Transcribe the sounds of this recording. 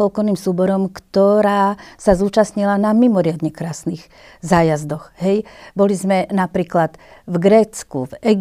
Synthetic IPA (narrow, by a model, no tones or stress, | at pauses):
ɔlkɔniːmsuːbɔɾɔmkt̪ɔɾaːsazuːt͡ʃast̪ɲilanamimɔɾɪad̪ɲɛkɾaːsniːɣ | zaːjazd̪ɔxɦɛjbɔlizmɛnapɾiːklat̪vɡɾɛːt͡skṵvɛɡ